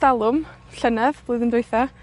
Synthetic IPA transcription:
alˠʊm | ɬənɛðb̥lˠoɨðəndejθɔ

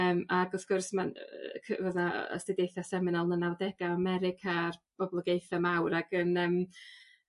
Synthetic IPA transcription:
əːmaɡɔfkʰʊrsmakʰəvɔdna̰ɔ̰sd̥ɪdejθasɛmɪnalˠnənawdɛɡaamɛɾɪkʰarbɔblˠəɡejθamawɾaɡ̥ənəːm

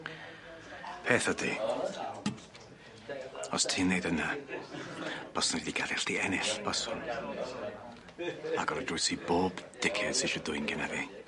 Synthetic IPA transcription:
pʰeːθədḭ | ɔstʰɪnːejdəna | b̥ɔsnadidiɡalɪɬtiɛnɪɬb̥ɔsɔn | aɡɔɾədrʊjsiboːbd̥ɪkʰɛd̥seʃɔdʊɨnɡɛnavi

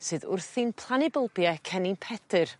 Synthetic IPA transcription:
sɨːðʊ̰rθinpʰlˠanɪbəlˠbjɛkʰɛninpʰɛdɨr

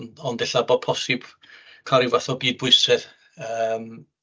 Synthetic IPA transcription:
nɔndɪɬabɔd̚pʰɔsɪb̥ | kʰaɾɪvaθɔbiːd̚bʊɨsɨð | əːm

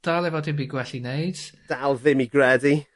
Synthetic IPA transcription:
d̥alˠɛvɔdɪmbiɡwɛɬinejd̥d̥alˠðɪmiɡɹɛdi

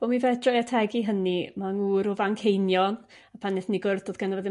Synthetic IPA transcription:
v̥ɔmivɛd̥rɔjatʰɛɡiɦənimaŋuːɾʊvaŋkʰejnjɔn | apʰanɪθniɡʊrθd̥oːðɡanavəðɪ

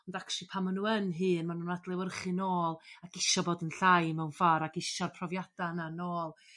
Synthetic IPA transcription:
ɔndakʃipʰamːanuːənɦɨːnmanuːnadlˠɛwərχɨnoːlˠaɡ̥ɪʃɔboːdənɬajmɛwnvaɾaɡɪʃarpʰrɔvjad̥ananoːlˠ

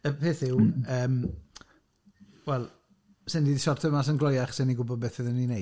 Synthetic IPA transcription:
əpʰeːθɪwəːm | wɛlˠ | sɪndiːdisɔrtʰəmas̬ənɡlˠɔjaχsɪniɡʊbɔd̚beθəðənine

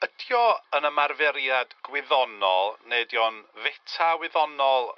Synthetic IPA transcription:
ədjɔənəmarvɛɾjadɡ̥wɪðɔnɔ̰lˠnedjɔnvɛtʰawɪðɔnɔlˠ

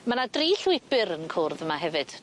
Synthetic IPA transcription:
manadriɬwɪbɨɾənkʰʊrðəmaɦɛvɨd̥

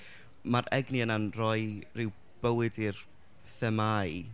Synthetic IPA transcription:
maɾɛɡniənanrɔɨjrɪw | b̥əwɨdir | θɛmaj

